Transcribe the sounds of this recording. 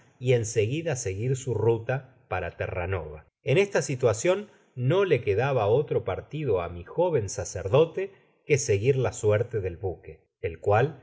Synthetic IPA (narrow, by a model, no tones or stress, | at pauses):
ie̞nseɣiðaseɣiɾsurut̪a | paɾat̪ḛra̰noβa | enest̪asit̪wasjo̞nː | o̞lekeðaβaot̪ɾo̞paɾt̪iðo̞a̰mixo̞βe̞nsaseɾðo̞t̪e | keseɣiɾlasweɾt̪eðe̞lβuke | elkwal